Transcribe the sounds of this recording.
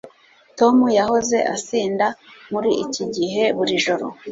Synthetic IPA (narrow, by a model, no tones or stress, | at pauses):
to̞mujaho̞ze̞̰ʔa̰siːndamuɾiʔiciɟiɦe̞βuɾiʒoɾo̰